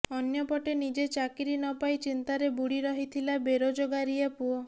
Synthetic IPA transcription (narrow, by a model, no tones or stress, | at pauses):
ɔnjɔpɔʈenid͡ʒet͡ʃakiɾinɔpajt͡ʃint̪aɾebuɽiɾɔɦit̪ʰilabeɾod͡ʒoɡaɾiapuo